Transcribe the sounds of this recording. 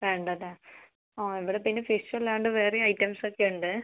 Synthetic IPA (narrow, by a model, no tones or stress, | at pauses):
ʋeːɳɖɐðe | oːiʋiɽepinːefisʈiʋɐlaːɳɖɨʋeːreɐjʈːɐmsokːeuɳɖɨ